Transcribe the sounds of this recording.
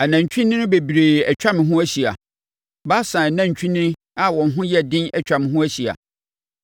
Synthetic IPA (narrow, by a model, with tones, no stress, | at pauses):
a˨nã˨ɲ̩˨t͡ɕᶣĩ˦nːɪ̃˦nʊ̃˦be˨bi˨ɾe˨ɛ˨t͡ɕᶣa˦mɪ̃˨ɦʊ̃˦æ˦ɕi˨a˨ | ba˦sã˨nã˦˨ɲ̩˨t͡ɕᶣʰĩ˦nɪ̃˦n | a˨wɔ̃˨n˨ɦʊ̃˦jɛ˦˨dɪ̃˦nɛ˦˨t͡ɕᶣa˨mɪ̃˨ɦʊ̃˦æ˦ɕi˨a̰˨